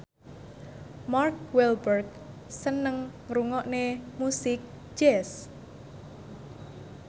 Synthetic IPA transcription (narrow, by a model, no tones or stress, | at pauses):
mark̚wɛlbərɡ̚ | sənəŋɾuŋɔʔnemusɪk̚ | d͡ʒɛs